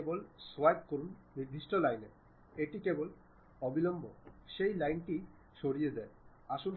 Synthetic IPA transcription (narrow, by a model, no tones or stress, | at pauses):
bolswajp̚koɾunniɾd̪ʱiʃʈolajne | eʈikebol | ɔbilɔmbʱoʃejlajnʈi | ʃoɾijed̪ɛe | aʃun